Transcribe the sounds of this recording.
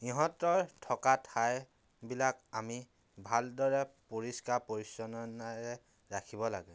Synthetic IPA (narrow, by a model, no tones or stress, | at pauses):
iɦɔtɔɹtʰɔkatʰaj | bilakami | bʱaldɔɹɛpoɹiskaɹpoɹisɔnɔnaɹɛ | ɹakʰibɔla̰ɡɛ